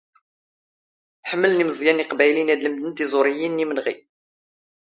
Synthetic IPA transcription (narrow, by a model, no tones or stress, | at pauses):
ħəmːəlniməzˤjæniqbæjlinæd̪ləmd̪ənt̪izˤʊɾijinːimənʁḭ